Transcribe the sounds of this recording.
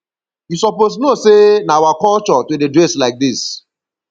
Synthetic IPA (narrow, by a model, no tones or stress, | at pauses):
jusɔposnosenaawakɔlt͡ʃɔtodedɹɛslaɪk̚dis